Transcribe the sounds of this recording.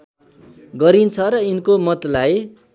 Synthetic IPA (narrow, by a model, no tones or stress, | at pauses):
ɡʌɾint͡sʰʌɾʌinkomʌt̪laj